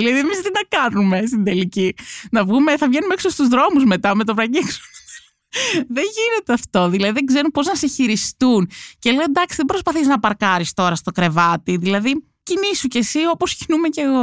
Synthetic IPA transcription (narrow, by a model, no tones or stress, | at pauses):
ilɐðiemist̪inɐkɐnume̞st̪ind̪e̞licinɐvɣumeθɐvʝe̞numeeksost̪uzðɾo̞muzme̞t̪ɐmet̪opɾɐɲiksu̥ | ðeɲʝine̞t̪eɐft̪o̞ðilɐðiðeɡze̞ɾumpo̞znɐseçiɾist̪unce̞le̞od̪ɐksiðebɾo̞spɐθiznɐpɐɾkɐɾist̪o̞ɾɐst̪o̞kɾe̞vɐt̪iðilɐði | cinisuce̞sio̞po̞scinumece̞ɣo̞